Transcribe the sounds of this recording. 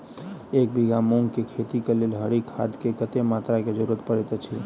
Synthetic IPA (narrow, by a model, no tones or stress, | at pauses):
ek̚biɡamuŋɡkekʰet̪ikelelɦəɾikʰa̰d̪kekət̪emat̪ɾaked͡ʒəɾuɾət̪pəɾɛt̪t͡ʃʰi